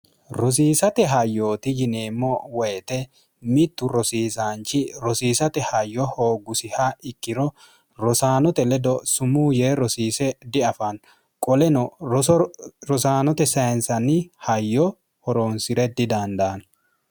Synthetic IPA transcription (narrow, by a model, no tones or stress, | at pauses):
ɾɔs̬iːsɐt̪ɛɦɐjːo̞ːt̪ɪd͡ʒɪne̞ːmːɔwɔjɛt̪ɛ | mɪt̪ːʊɾɔsiːsaːnt͡ʃːɪɾɔsiːsɐt̪ɛhɐjːɔhoːɡʊsɪhaɪkːɪɾɔ | ɾɔsaːnɔt̪ɛlɛd̪ɔsʊmuːjeːɾɔsiːsɛd̪ɪɐfɐn | kʼɔlɛnɔ | ɾɔsaːnɔt̪ɛsɐjnsɐnːɪhɐjːɔ | hɔɾoːnsɪɾɛd̪ɪd̪ɐnd̪ɐːn